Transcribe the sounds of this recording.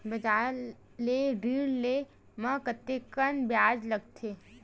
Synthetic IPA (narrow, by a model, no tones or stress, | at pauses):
bɐd͡ʒaː | leɖiːɽle | mə̃kət̪ːekənbjaːd͡ʒlɐɡ̚t̪ʰeː